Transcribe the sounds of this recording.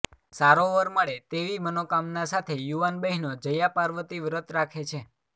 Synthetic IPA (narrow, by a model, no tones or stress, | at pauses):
saɾoʋəɾməɭet̪eʋimənokamnasat̪ʰejuʋanbəɦinod͡ʒəjapaɾʋət̪iʋɾət̪ɾakʰet͡ʃʰe